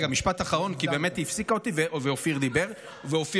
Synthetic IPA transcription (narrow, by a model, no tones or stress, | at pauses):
ɡamiʃpat̪aχaʁo̞nkibeːmet̪hifsikaot̪iveveofiʁd̪ibe̞ʁ | veofi